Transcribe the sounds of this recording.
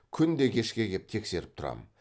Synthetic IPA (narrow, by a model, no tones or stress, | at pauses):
kʲʰʏnd̪e̞kʲʰe̞ʃkʲe̞ɡʲe̞p̚t̪ʰe̞kse̞ɾɪp̚t̪ʰʊɾɑ̰mə